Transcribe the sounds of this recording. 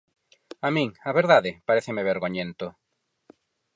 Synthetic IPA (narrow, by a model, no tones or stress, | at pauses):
amĩŋaβeɾðaðɪpaɾeθɪmeβeɾɣoɲẽnt̪o